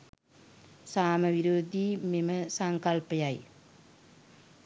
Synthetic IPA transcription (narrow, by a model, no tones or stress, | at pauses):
saːmɐʋiɾoːd̪ʱimimɐsɐŋkɐlpɐjaːjḭ